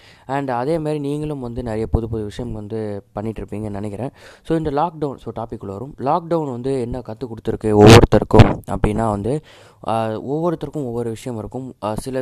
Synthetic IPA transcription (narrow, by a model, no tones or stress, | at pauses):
ɐɳɖɐðeːmaːɾiniːŋɡɐɭɯmʋɐnd̪ɯnɛɾɐjɐpɔðɯpɔðɯʋɪʂɐjɐmʋɐnd̪ɯpɐɳːɪʈːɾɯpːiːŋɡɐnɐnɛkːɪɾẽːsoːɪnd̪ɐlaːk̚ɖɐʊnsoːʈaːpɪkːɯɭʋɐɾɯmlaːk̚ɖɐʋnʋɐnd̪ɯɛnːɐkɐt̪ːɯkɔɽɯt̪ːɯɾɯkːɯɔʋːɔɾɯt̪ːɐɾɯkːɯmɐ̰pːɐɽɪnːaːʋɐnd̪ɯ | ɔʋːɔɾɯt̪ːɐɾkːɯ̃mɔʋːɔɾɯʋɪʂɐjɐmɪɾɯkːɯmsɪlɐ